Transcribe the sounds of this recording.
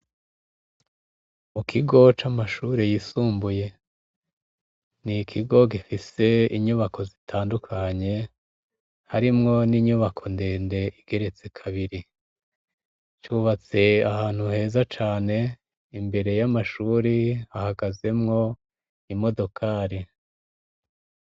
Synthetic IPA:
mukʰiɡo̞t͡ʃamaʃuɾejisuːmbuje̞ | nikʰiɡo̞ɡifise̞iɲuβakʰo̞zitʰaːndukʰaɲe̞ | haɾimŋo̞niːɲuβakʰo̞ndeːnde̞ʔiɡ̥e̞ɾe̞t͡sekʰaβiɾi | t͡ʃuβat͡se̞ahaːn̥huhe̞ːzat͡ʃaːne̞ | imbe̞ɾe̞jamaʃuːɾihahaɡaze̞mŋo̞ | imo̞do̞kʰaːɾi

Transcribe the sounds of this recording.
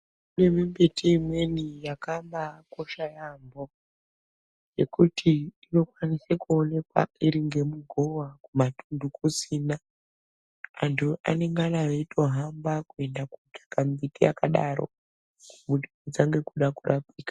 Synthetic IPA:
kune̞mimbetʰiimwe̞nijakambako̞ʃajambo̞ | je̞kutʰiino̞kwanisekuone̞kwa̰iɾiŋɡe̞muɡʱowakumatʰundʱukusiːna | antʰuʔa̰ne̞ŋɡanajeitʰo̞ɦambakue̞ndakutʰḁkamitija̰kaɗaɾo̞̰ | kumuɗiud͡zaŋɡe̞kuɗakurʔapiːkḁ

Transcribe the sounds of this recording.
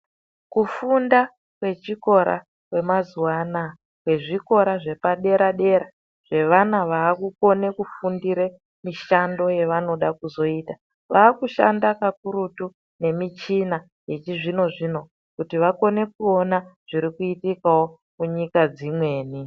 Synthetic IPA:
kufunda | kwe̞t͡ʃiko̞ɾa̰ | kwe̞mazuwana | kwe̞ʐiko̞ɾaʐe̞paɗe̞ɾaɗe̞ɾa | ʐ̥e̞ʋanaʋaːkuko̞ne̞kufundiɾe | miʃando̞je̞ʋano̞ɗakuzo̞iːta | ʋaːkuʃa̰ndakakuɾutu | ne̞mit͡ʃina | je̞t͡ʃiʐino̞ʐino̞ | kutiʋako̞ne̞kuo̞naʐ̥iɾikuitikawo̞ | muɲikad͡zimwe̞ːni

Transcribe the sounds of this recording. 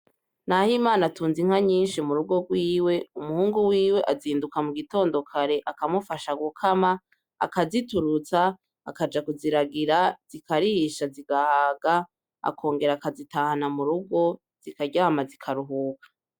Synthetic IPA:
nahimaːnatuːnziŋ̥haɲiːnʃimuɾuɡo̞ɡwiːwe̞umuhuːŋɡuwiːwe̞ʔaziːndukamuɡito̞ːndo̞kʰaɾe̞ʔakamufaʃaɡukʰama̰ː | kazituɾut͡saː | kad͡ʒakuziɾaɡiɾaz̥ikaɾihiʃaziɡahaɡa | a̰kʰo̞ːŋɡe̞ɾakazitaːhanamuɾuɡo̞ | z̥ikaɟamazikʰaɾuɦuːkḁ

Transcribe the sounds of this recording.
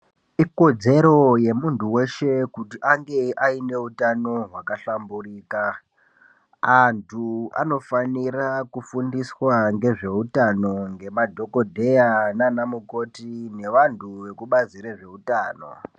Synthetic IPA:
iko̞d͡ze̞ɾo̞je̞muntʰuwe̞ʃe̞kutiʔaŋɡe̞ʔaine̞utano̞ɦwakaɬamburiːka | antʰua̰no̞fanirakufundiswaŋɡe̞ʐe̞utano̞ŋɡe̞madʱo̞ko̞dʱe̞jananamuko̞tine̞ʋantʰuʋe̞kuɓad͡ziɾeʐe̞utaːno̞̰

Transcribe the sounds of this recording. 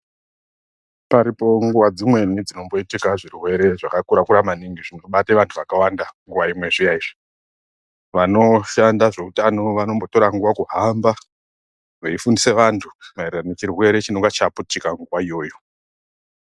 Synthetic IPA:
paɾipo̞ŋɡuwad͡zimwe̞nid͡zino̞mbo̞itikaʐirwe̞ɾe̞ʐakakuɾakuɾamaniŋɡiʐino̞ɓateʋantʰuʋakawandaŋɡuʋaimwe̞ʐijaiʐi̥ | ʋano̞ʃandaʐe̞utano̞ʋano̞mbo̞to̞ɾaŋɡuwakuɦamba | ʋeifundise̞ʋantʰumaireranet͡ʃirwe̞ɾe̞t͡ʃinoŋɡat͡ʃaputikaŋɡuwaijo̞ːjo̞

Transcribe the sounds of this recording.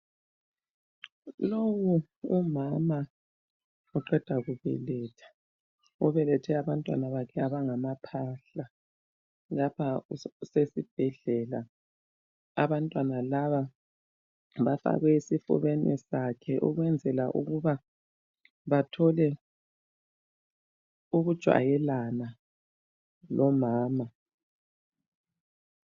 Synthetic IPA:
lowu | umama | uǃɛd̥ʱaɣuβɛ̰lɛtʰḁ | uβɛlɛtʰɛaβantʼwa̰naβakʰɛaβaŋamapʰaɬa | lapʰasesib̥ʱɛɮɛla | aβantʼwanalaβa | βafa̰ɣɛisifṵβenʔḭsakʰɛʔṵɣwɛnd͡zʱɛlaʔṵɣuβa | βatʰɔlɛ | uɣud̥ʒ̥ʱwa̰jɛlana | lɔmaːma

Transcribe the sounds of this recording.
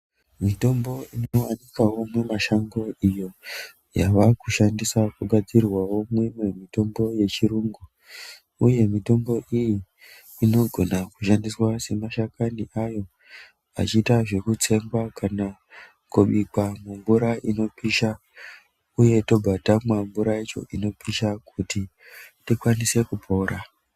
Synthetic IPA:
mito̞mbo̞inowanikawo̞mwemaʃaŋɡo̞ijo̞ | jaʋakuʃandisakuɡʱad͡zirwawo̞mwimwemito̞mbo̞je̞t͡ʃiɾuːŋɡu | uje̞mito̞mbo̞ʔijiː | no̞ɡʱo̞nakuʃandiswase̞maʃakaniʔajo̞ | a̰t͡ʃiːtaʐe̞kut͡se̞ŋɡwakana | kuɓikamumbuɾaino̞pʰiʃa | uje̞to̞bʱatamwambuɾait͡ʃo̞̰ʔino̞piʃakʰuti | tikwanise̞kupʰo̞ːra

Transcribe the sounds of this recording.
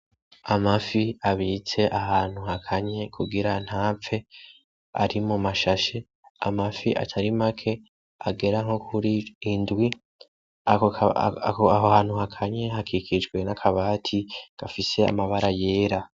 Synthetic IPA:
amafiaβiːt͡se̞ʔahaːn̥huhakʰaɲe̞kʰuɡiɾan̥haːp͡fe̞ | a̰ɾimumaʃaʃe̞ | a̰mafiʔa̰tʰaɾimakʰe̞ | aɡe̞ɾaŋho̞kʰuɾiːndwi | a | aɦohaːn̥huhakʰaɲe̞ɦakʰikʰid͡ʒɡwe̞nakʰaβaːtʰiɡ̥afise̞a̰maβaɾaje̞ːɾa

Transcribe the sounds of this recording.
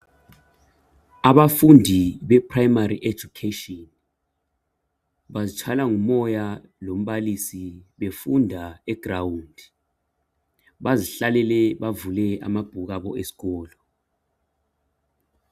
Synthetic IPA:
aɓafundʱiɓɛpʰrajmarḭʔe̥d͡ʒ̥ʱukʰetʼɔn | ɓazit͡ʃʰalaŋumɔja | lom̩ɓalisiɓefundʱaɛɡ̥rawundʱi | ɓaziɬalɛlɛɓavulɛa̰mab̥ʱuk̬aɓɔʔesi̥k̬ɔːlɔ

